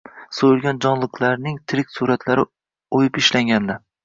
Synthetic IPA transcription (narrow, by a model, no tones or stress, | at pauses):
sojɪlˠɡʲand͡ʒɒnlˠɨqʰlaɾnɪŋt̪ʰɪɾɪk̚ʲsuɾat̪ʰlaɾɪ | ojɪpɪʃlaŋɡʲand̪a